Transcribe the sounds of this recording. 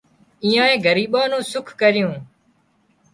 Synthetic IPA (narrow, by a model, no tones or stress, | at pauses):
ĩːjãːẽːɡʱəɾiːɓãːnũːsʊkʰkəɾɪjũː